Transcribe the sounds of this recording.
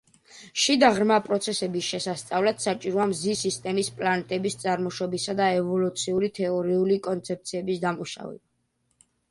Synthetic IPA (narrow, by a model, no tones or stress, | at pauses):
ʃid̪aʁɾmapʼɾɔt̪sʰɛsɛbisʃɛsast̪sʼavlat̪sat͡ʃʼiɾɔamzisist̪ʼɛmispʼlanɛt̪ʼɛbist̪sʼaɾmɔʃɔbisad̪aɛvɔlut̪sʰiuɾit̪ʰɛɔɾiulikʼɔnt̪sʰɛp̚t̪sʰiɛbisd̪amuʃa̰vɛ̰ba